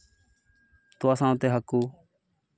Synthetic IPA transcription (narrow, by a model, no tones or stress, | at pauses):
t̪ʊaːsãːt̪eːɦəkuː